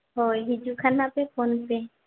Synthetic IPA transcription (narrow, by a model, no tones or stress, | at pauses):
ɦoːjɦid͡ʒukʰanapekʰonpe